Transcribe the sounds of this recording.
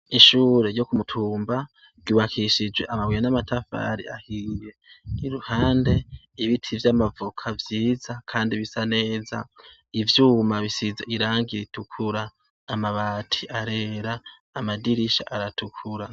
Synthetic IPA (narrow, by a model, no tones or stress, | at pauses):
iʃuːɾe̞ɾjo̞kumutʰuːmba | ɡuβakʰiʃid͡ʒwe̞ʔamawijanamatʰafa̰ɾia̰hiːje̞iɾuhaːnde̞ | iβitʰivjamavukʰavjiːzakʰaːndiβisane̞ːza̰ | ivjuːmaβisizeʔiɾaːŋɡiɾitukʰuɾaː | maβaːtʰiʔaɾeɾaː | madiɾiʃa̰ʔaɾatukʰuɾa